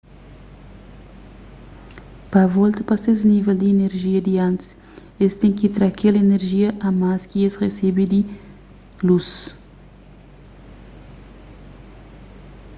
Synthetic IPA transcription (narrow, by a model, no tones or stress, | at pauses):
pɐvɔlt̪ɐpɐsezniveld̪iːneɾʒiɐd̪iãnt̪s | est̪ẽŋkit̪ɾakʰelɐeneɾʒiɐʔɐmaskiesʁesebid̪i | lus